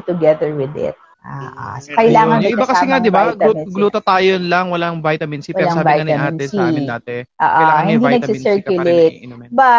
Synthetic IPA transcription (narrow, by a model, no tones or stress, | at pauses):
t̪ʊɡɛðɛɹwɪd̪ɪ̰t̪̚ | ʔaʔkɐʔɪlaːŋɐnɐɪbakɐsɛŋad̪ɪbaɡɡluːt̪ɐt̪aːjonlɐŋwɐlaŋvajt̪ɐmɪnsipwɐɛɾlasaːvɪajɐɐmɪnɛsiaːt̪ɛʔo̰ːʔohɪd̪inɐɡsɪsɛɹkjʊlejt̪̚bɐ